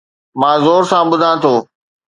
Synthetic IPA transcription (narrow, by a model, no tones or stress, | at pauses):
mãːzoːɾsãːɓʊd̪ʱãːt̪ʰoː